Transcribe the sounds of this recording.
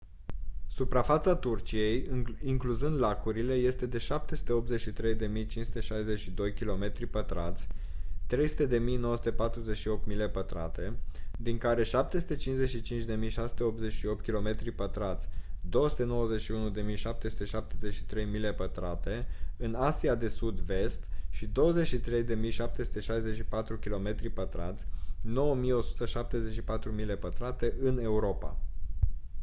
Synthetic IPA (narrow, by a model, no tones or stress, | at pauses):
supɾafat̪sat̪urt͡ʃije̞jiŋkluzɨnd̪lakuɾile̞je̞st̪e̞d̪e̞ʃap̚t̪esu̥t̪eo̞pt̪ze̞t͡ʃʃit̪ɾe̞jd̪e̞mijt͡ʃinsu̥t̪e̞ʃajze̞t͡ʃʃid̪o̞jkʲilo̞me̞t̪ɾipət̪ɾat̪sʲt̪ɾe̞jsu̥t̪e̞d̪e̞mijnowəsu̥t̪e̞pat̪ɾuze̞t͡ʃʃio̞p̚t̪mile̞pət̪ɾa̰t̪e̞d̪iŋkaɾe̞ʃap̚t̪e̞su̥t̪e̞t͡ʃinze̞t͡ʃʲʃit͡ʃint͡ʃd̪e̞mijʃasu̥t̪e̞o̞p̚t̪ze̞t͡ʃʃio̞p̚t̪̚kʲilo̞me̞t̪ɾipət̪ɾat̪sʲd̪o̞wəsu̥t̪e̞no̞wəze̞ʃiunud̪e̞mijʃap̚t̪e̞su̥t̪e̞ʃap̚t̪eze̞t͡ʃʃi̥t̪ɾe̞jmile̞pət̪ɾat̪e̞ɨnasiad̪e̞sud̪ve̞st̪ʃid̪o̞wəze̞t͡ʃʃit̪ɾe̞jd̪e̞mijʃap̚t̪e̞su̥t̪e̞ʃajze̞t͡ʃʃipat̪ɾukʲilo̞me̞t̪ɾipət̪ɾa̰t̪sʲno̞wəmijo̞su̥t̪əʃap̚t̪e̞ze̞t͡ʃʃipat̪ɾumile̞pət̪ɾat̪e̞ʔɨne̞uɾo̞pa̰